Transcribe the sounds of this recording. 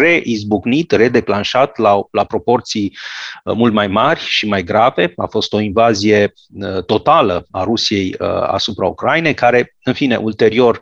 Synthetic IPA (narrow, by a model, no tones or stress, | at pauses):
re̞ʔizbuɡnit̪re̞d̪e̞planʃat̪lalapɾo̞po̞rt̪sijmult̪majmarʲʃimajɡɾave̞a̰fo̞st̪o̞invazije̞ | ət̪o̞t̪aləaɾusije̞jə̰a̰supɾaṵkɾajine̞jkaɾe̞ | ɨnfine̞̰ʔult̪e̞ɾio̞r